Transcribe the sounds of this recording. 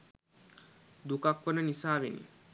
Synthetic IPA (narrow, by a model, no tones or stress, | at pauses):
d̪ukakʋənənisaːʋḛnḭ